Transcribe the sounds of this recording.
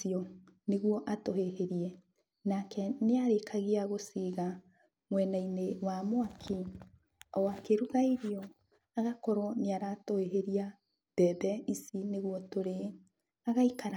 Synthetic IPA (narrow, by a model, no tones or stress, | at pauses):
iɔ | neɣuɔʔatoɦeheɾiɛ | nakɛneaɾekʰaɣeaɣosiɣa | mwɛnainewamoakʰi | ɔwakeɾuɣaiɾeɔ | aɣakɔɾɔneaɾatoheɦeɾia | b̥ɛbɛʔisineɣwɔtoɾe | aɣaikaɾ